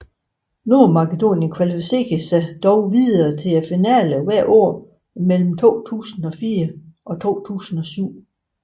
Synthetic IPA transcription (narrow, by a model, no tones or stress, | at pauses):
nomɑ̈ked̥o̝̰ːnjənkʰʋælifise̝̰ɡ̥əsæd̥ɒʊʋiðˠɐt͡sʰe̝æfinæ̰ləʋæɐ̰ʔo̝̰ɐ̰ | mel̰m̩t͡sʰo̝̰ːt͡sʰṵːsn̩ɒ̽fiːɐʔɒ̽t͡sʰo̝̰ːt͡sʰṵːsn̩ɒ̽syʊ̰